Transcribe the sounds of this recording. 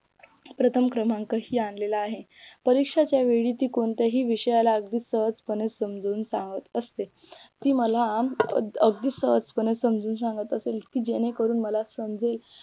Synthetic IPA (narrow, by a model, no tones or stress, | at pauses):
pɾət̪ʰəmkɾəmãŋkəɦiːanlelaːɦe | pəɾikʂat͡ɕjaʋeɭiːt̪iːkoɳt̪jaɦiːʋiɕəjalaəɡ̚d̪iːsəɦət͡spənesəmd͡zuːnsãŋɡət̪əst̪e | t̪iːməla | əɡ̚d̪iːsəɦəspənesəmd͡zuːnsaŋɡət̪əselt̪iːd͡ʑeñekəɾuːnməlasəmd͡zel